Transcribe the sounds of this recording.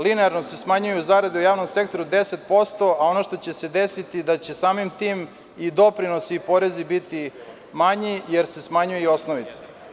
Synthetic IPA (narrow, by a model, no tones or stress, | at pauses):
lineaɾno̞se̞smaɲujuzaɾad̪eujaːʋno̞mse̞k̚t̪o̞ɾud̪e̞se̞t̪̚po̞st̪o̞ao̞noʃt̪o̞t͡ɕe̞se̞d̪e̞sit̪id̪at͡ɕe̞saːmimt̪iːm | id̪o̞pɾino̞siːpo̞ɾe̞zibit̪i | maɲijeɾse̞smaɲujeio̞snoʋit̪se̥